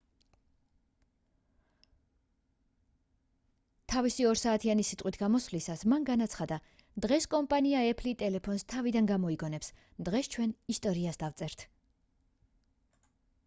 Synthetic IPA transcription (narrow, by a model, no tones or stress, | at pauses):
t̪ʰavisiɔɾsaːt̪ʰianisit̪ʼqʼwit̪ʰɡ̥amɔslisasmanɡanat̪sʰχad̪a | d̪̥ʁɛskʼɔmpʼaniaɛpʰlit̪ʼɛlɛpʰɔnst̪ʰavid̪anɡamɔiɡɔnɛps | d̪̥ʁɛst͡ʃʰwɛnist̪ʼɔɾiasd̪avt̪sʼɛɾt̪ʰ